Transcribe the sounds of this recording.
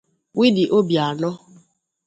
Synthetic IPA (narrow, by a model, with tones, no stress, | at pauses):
wi˦di˨ʔo˦bja˨lɔ˦